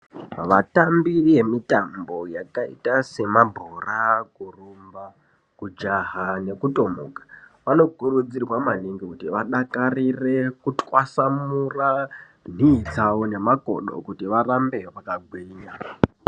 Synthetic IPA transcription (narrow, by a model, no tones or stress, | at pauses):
ʋatambirie̞mitambo̞jakaḭtase̞mabʱorakurumba | kud͡ʒaɦane̞kuto̞mṵkḁʋano̞kurud͡zirwamaniŋɡikutiʋaɗakarire̞kutwasamura | n̤iːt͡sawone̞mako̞̰ɗo̰kutiʋarambe̞ʋakaɡʱwiːɲa